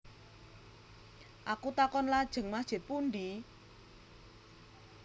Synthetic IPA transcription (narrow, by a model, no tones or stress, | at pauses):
ʔakut̪akɔnlad̥ʒ̥ə̤ŋmḁʒ̥ɪ̤t̪̚pund̪i